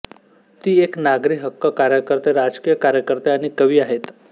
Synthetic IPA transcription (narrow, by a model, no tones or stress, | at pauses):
t̪iːeknaɡɾiːɦəkːəkaɾjəkəɾt̪eɾad͡zkijəkaɾjəkəɾt̪eaɽ̃ikəʋiːaɦet̪